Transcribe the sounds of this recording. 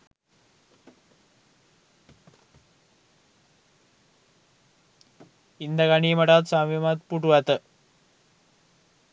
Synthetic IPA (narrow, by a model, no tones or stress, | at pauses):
ind̪ɐkɐɳijmɐʈaːt̪saːmemat̪̚puʈuʋɐt̪ɨ